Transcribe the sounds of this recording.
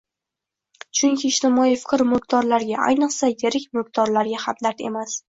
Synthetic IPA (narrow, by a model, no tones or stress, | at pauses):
t͡ʃʰʊŋkʲʰiːʃt̪ɪmɒifɪ̥qɾmʊk̚t̪ʰɒɾlaɾɡʲaʔa̰jnɨqsajeɾɪkʲmʊk̚t̪ʰɒɾlaɾɡʲahamd̪aɾt̪e̞̰mas